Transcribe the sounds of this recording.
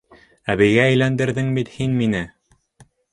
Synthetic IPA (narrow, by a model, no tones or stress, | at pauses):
æβɘ̆jɣæːjlænd̪ɘ̆ɾðɘŋbit̪hinminɘ